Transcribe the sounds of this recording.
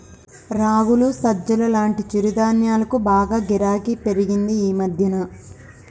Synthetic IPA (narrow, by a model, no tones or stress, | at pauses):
ɾaːwulusɐd͡ʒːɐlɐlaːɳʈit͡ʃiɾid̪aːnjaːlɐkubaːɡaːɡiɾaːkipe̞ɾiɡind̪iiːmɐd̪ʱjɐnɐ